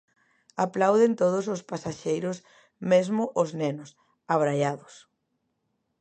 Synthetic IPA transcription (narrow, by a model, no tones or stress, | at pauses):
aplawðɪnt̪oðʊs̬ʊspasaʃejɾʊs | mezmʊʔʊznenʊs | aβɾajaðʊs